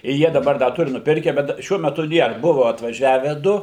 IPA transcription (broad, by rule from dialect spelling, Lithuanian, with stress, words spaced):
ɪ ˈjiɛ dɐˈbɐr dɐ ˈtʊrʲɪ nʊˈpʲɪrʲkʲɛ ˈbʲɛt dɐˈʃʲuɔ mʲɛˈtʊ ˈnʲeːr ˈbʊʋoː ɐtʋɐˈʒʲæːʋʲɛ ˈdʊ